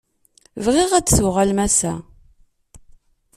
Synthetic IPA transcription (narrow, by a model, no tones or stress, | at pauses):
vʁiʁæt͡sːswʁalmæsæ